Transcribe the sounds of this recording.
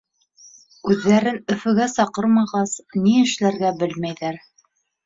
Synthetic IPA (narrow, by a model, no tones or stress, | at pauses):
ʉðːæɾɘnɵ̆fɵ̆ɡæsɑqɤɾmɑʁɑsniɘ̆ʃlæɾɡæbɘlmæjðæɾ